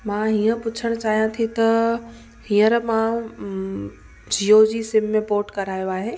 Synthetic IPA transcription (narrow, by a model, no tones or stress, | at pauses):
mãːɦiːə̃pʊt͡ɕʰəɽ̃t͡ɕaːɦijãt̪ʰit̪ɐ | hĩːəɾmã | d͡ʑʱijod͡ʑiːsɪmːẽpoːʈkɐɾaːjoaːɦeː